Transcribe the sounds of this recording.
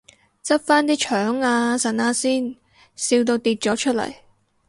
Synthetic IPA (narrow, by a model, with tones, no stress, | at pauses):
t͡sɐ˥p̚faː˥nt̪iː˥t͡ʃʰœː˨˥ŋaː˧sɐ˨˩naː˥siː˥˩n | siː˧wt̪̬o˧wt̪iː˧t̚t͡ʃɔː˨˥t͡ʃʰɵ˥t̚lɐ̰˨˩j